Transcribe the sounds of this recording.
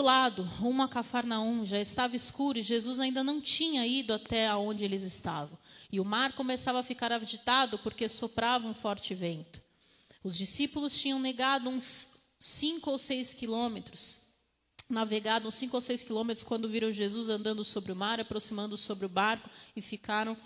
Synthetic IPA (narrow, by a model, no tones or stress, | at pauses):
ʊlad̪ʊũmɐkafaɾnaũʒaɪst̪avɐiskuɾʊɪʒezuzaĩnd̪ɐnɐ̃w̃t͡ʃĩɲɐid̪ʊat̪ɛaõnd͡ʒɪelɪzɪst̪avɐ̃w̃ɪʊmaɾkomesavɐfikaɾaʒit̪ad̪ʊpoɾkesopɾavɐ̃ũfɔɾt͡ʃɪvẽnt̪ʊ̥ | ʊzd͡ʒisipʊlʊst͡ʃĩɲɐ̃w̃neɡad̪ʊũsː | ĩŋkʊowsejskilõmet̪ɾʊs | naveɡad̪ʊũsĩkʊowsejskilõmet̪ɾʊskwɐ̃nd̪ʊviɾɐ̃w̃ʒezuzɐ̃nd̪ɐ̃nd̪ʊsobɾɪʊmaɾapɾosimɐ̃nd̪ʊsobɾɪʊbaɾkʊɪfikaɾɐ̃w̃